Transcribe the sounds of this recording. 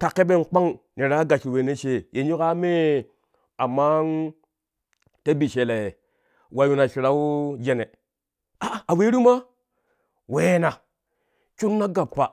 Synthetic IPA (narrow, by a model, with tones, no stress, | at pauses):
ka˨kːe˦be˦˨nk͡pa˦ŋne˨ɾa˦ɡa˨ʃwe˨ne˦ʃe˨jʔe˨ɲu˦ka˦me˦ | a˨ma˦n | te˦bi˨ʃe˨le˨ | wa˨ju˨na˨ʃi˨ɾa˦u˦d͡ʒe˨ne˨ | a˨a˨we˦ɾu˦ma˦ | we˨˦na˨ | t͡ʃu˦nːa˦ɡa˨p̚pa˨